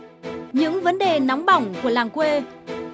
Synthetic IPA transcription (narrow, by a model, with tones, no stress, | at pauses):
ɲɨ̰˧˥ŋvə˨˦nɗe˨˩na˨˦wŋ͡mɓa˧˩wŋ͡mku˧˩əlaː˨˩ŋkwe˧